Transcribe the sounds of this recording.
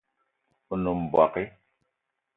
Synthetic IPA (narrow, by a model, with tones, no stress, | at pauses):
u˨nu˨m̩˨bwa̰˨ki˦